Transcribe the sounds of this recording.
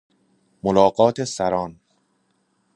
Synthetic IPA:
molɒːɢɒːt̪ʰesæɾɒːn

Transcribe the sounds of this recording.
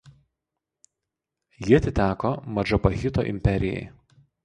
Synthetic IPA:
jiɐt̪ʲɪt̪ʲæːkomɐd͡ʒɐpɐɣʲɪt̪o̰ːʔɪ̰mʲpʲɛɾʲɪjɛ̰ɪ

